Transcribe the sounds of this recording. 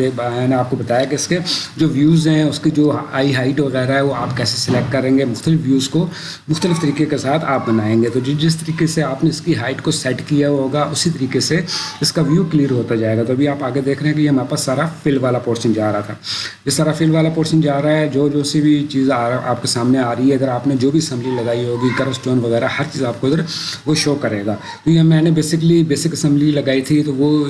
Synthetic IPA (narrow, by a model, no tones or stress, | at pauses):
ebaneaːp̚kobɐt̪aːjakeɪsked͡ʒoːʋjuːzɦɛ̃ʊskid͡ʒoːaːiɦaːɪʈʋɐɣɛːɾaɦɛʋoaːpkɛːsesɪlɛk̚ʈkɐɾẽːŋɡemʊxt̪əlɪfʋjuːzko | mʊxt̪əlɪft̪ɐɾiːkekesaːt̪ʰaːp̚bɐnaːẽːŋɡet̪od͡ʒɪd͡ʒɪs̬t̪ɐɾiːkeseaːpneɪskiɦaːɪʈkosɛʈkijaɦoːɡaʔʊsit̪ɐɾiːkeseɪskaʋjukliːəɾɦoːt̪ad͡ʒaːeːɡat̪oɐbʱiaːpaːɡed̪eːkʰɾeɦɛ̃kejemaːpəsːaːɾafɪlʋaːlapoːɾʃənd͡ʒaːɾaɦat̪ʰaːjesaːɾafɪlʋaːlapoːɾʃənd͡ʒaːɾaɦɛd͡ʒoːd͡ʒoːsibʱit͡ʃiːzaːa̰ːpkesaːmneaːɾəɦiɦɛɐɡ̪əɾaːpned͡ʒoːbʱiɐsɛ̃mblilɐɡaːiɦoːɡiɡɐɾəsʈoːnʋɐɣɛːɾahɐɾt͡ʃiːzaːp̚koɐɡ̪əɾʋoʃoːkɐɾeːɡaː | t̪ojeɦmɛ̃ːnebeːsɪklibeːsɪkɐsɛ̃mblilɐɡaːit̪ʰit̪oʋo